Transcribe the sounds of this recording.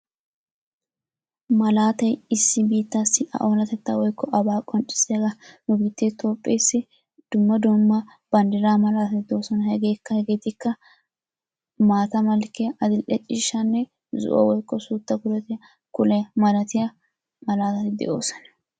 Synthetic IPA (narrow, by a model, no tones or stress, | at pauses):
mɐlaːt̪ɐjɪsːɪbiːt̪ːasːɪʔɐ̰ʔoːlɐt̪ɛt̪ːaːwɔjkːɔʔɐbaːkʼɔnt͡ʃʼːɪ̥seɡɐnʊbiːt̪ːet̪ʰo̞ːpʼːejsːɪ | d̪̥ʊmːɐd̪ɔmːa | b̥ɐnd̪ɪɾaːmɐlaːt̪ɐt̪ɪd̪o̞ːsɔnɐhɛɡe̞ːkːɐhɛɡeːt̪ɪkːɐ | maːt̪ɐmɐlkɪjɐʔɐd̪ɪlʔɛt͡ʃʼiːʃːɐnːɛ | zʊ̰ʔɔ̰wɔjkːɔsuːt̪ːɐkʊlɛt̪ɪjɐ | kʊlɛmɐlɐt̪ɪjɐ | mɐlaːt̪ɐt̪ɪd̪ɛ̰ʔo̞̰ːsɔ̥nɐ